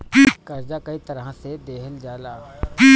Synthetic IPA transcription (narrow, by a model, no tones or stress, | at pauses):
pikɐɾd͡ʒakɐit̪ɐɾɦased̪eːɦəld͡ʒaːlaːi